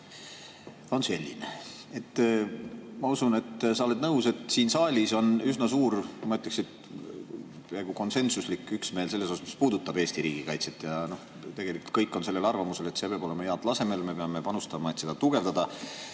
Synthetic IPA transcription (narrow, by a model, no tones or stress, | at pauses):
o̞nse̞lʲːḭnḛ | e̞t̪ː | mɑusune̞t̪ːsɑole̞d̪nɤwse̞t̪ˑsiːnsɑːlʲiso̞nysnɑsuːɾmɑyt̪ːˑleksid̪̥ | pæːɡ̥uko̞nse̞nsuslikːˑyksme̞ːlse̞lːesosmi̥spuːd̪ut̪ːɑb̥e̞ːst̪iɾiːɡ̥ikɑjt̪se̞t̪ːˑjɑno̞h | t̪e̞ɡe̞likult̪̚kɤjkːˑo̞nse̞lːe̞lɑrvɑmuse̞le̞t̪se̞pɑboe̞mɑjeɑd̪lɑse̞me̞lme̞peɑme̞pɑnust̪ɑmɑe̞t̪se̞d̪ɑt̪uɡ̥e̞vd̪ɑd̪̥ɑ